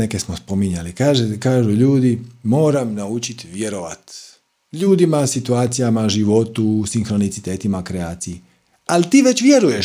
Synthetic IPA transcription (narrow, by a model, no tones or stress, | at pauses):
nekesmospo̞miɲalikaːʒekaːʒuʎuːd̪imo̞ːɾamnaut͡ʃit̪ʋje̞ɾoʋa̰t̪ | ʎuːd̪imasit̪uaːt̪sijamaʒiʋo̞t̪usiŋxɾo̞nit̪sit̪eːt̪imakɾeaːt̪siji | alit̪iːʋe̞t͡ɕʋje̞ɾujeʃ